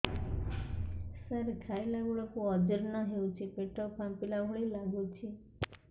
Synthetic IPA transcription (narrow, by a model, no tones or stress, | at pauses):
saɾkʰailaɡuɭɔkuɔd͡ʒəɾnɔɦeut͡ʃʰipeʈɔpʰampilaɦuɭilaɡut͡ʃʰi